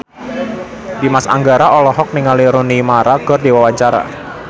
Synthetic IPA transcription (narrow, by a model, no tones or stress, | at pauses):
dimasa̰ŋɡaɾaʔɔlɔɦɔk̚niŋaliɾonimaɾaɡɔrdiwawaɲt͡ʃaɾa̰